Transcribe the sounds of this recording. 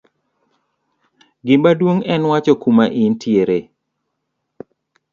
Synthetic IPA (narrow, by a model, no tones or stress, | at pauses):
ɡɪmbadwoŋɛnwat͡ʃɔkumaʔɪntʰjeɾe